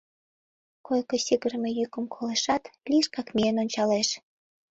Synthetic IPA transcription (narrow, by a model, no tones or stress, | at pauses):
kojkosiɣərmejykə̆mkʰoleʃɑt̪lʲiʃkɑkmeenonʲt͡ɕɑleʃ